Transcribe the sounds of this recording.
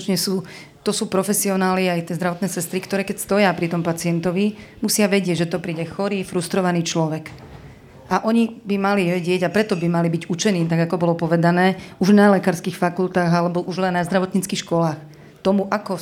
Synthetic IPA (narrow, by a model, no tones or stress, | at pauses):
t͡ʃɲɛsuː | t̪ɔsuːpɾɔfɛsiɔnaːliajt̪ɪɛzd̪ɾaʋɔt̪nɛːsɛst̪ɾikt̪ɔɾɛːkɛcst̪ɔjapɾit̪ɔmpat͡sɪɛnt̪ɔʋimusɪaʋɛɟɪɛɟʒɛt̪ɔpɾiːɟɛxɔɾiːfɾust̪ɾɔʋaniːt͡ʃlɔʋɛɡ | ʔaʔɔɲibimaliʋɛɟɪɛɟapɾɛt̪ɔbimalibiɟut͡ʃɛniːt̪aɡakɔbɔlɔpɔʋɛd̪anɛːuʒnalɛkaːɾskiːxfakult̪aːɣalɛbɔʔuʒlɛnnazd̪ɾaʋɔt̪ɲit͡skixʃkɔlaːx | t̪ɔmuʔakɔ